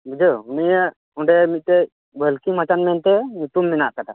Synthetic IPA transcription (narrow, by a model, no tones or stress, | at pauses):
bud͡ʒounija | ɔɳɖɛmit̪̚t̪ɛ | bʱəlkiŋmat͡ʃanmɛnt̪ɛnut̪umːɛnaʔkaʈa